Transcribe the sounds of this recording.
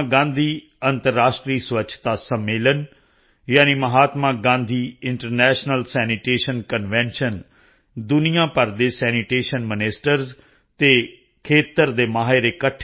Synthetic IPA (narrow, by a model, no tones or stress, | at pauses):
ɡãːnd̪ʱiː | ənt̪əɾːaːsʈɾiːsʋət͡ʃʰt̪aːsəmːeːlən | jaːniːməɦaːt̪mãːɡãːnd̪ʱiːɪɳʈəɾnɛːʃnəlsɛːnɪʈeːʃənkənʋɛ̃ːnʃən | d̪ʊnɪjãːpəɾd̪eːsɛːniʈeːʃənmɪneːsʈəɾz | t̪eː | kʰeːt̪əɾd̪eːmaːɦeɾeːkəʈʰ